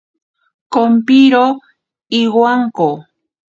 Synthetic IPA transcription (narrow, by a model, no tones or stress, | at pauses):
kompiɾo | iɣwaŋko